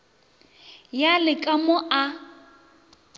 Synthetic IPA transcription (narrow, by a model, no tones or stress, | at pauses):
jalɪkʼamʊʔa